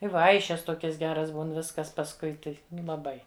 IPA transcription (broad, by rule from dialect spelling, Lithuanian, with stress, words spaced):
ɪ ˈʋɐɪʃʲɛs ˈtoːkʲɛs ˈɡʲæːrɐs ˈbuːn ˈʋʲɪskɐs pɐsˈkʊɪ tɐɪ ˈnʊ lˠɐˈbɐɪ